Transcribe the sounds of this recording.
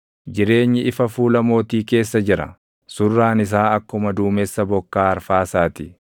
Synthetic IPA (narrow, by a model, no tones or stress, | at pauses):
d͡ʒɪɾe̞ːɲːɪɪfɐfuːlɐmo̞ːt̪iːke̞ːsːɐd͡ʒɪɾɐ̰ | sʊrːaːnɪs̬aːɐkːʊmɐd̪uːmɛsːɐbɔkːaːɐɾfaːsaːt̪ɪ